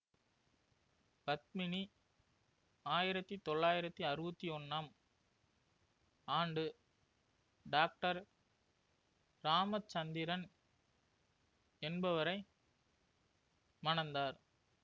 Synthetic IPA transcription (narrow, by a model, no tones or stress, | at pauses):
pɐt̪̚mɪni | aːjɪɾɐt̪ːit̪ɔɭːaːjɪɾɐt̪ːiɐɾɯbɐt̪ːiɔnːaːm | aːɳɖɯ | ɖaːk̚ʈɐɾ | ɾaːmɐt͡ʃːɐnd̪ɪɾɐn | ɛnbɐʋɐɾɐɪ | mɐɳɐnd̪aːɾ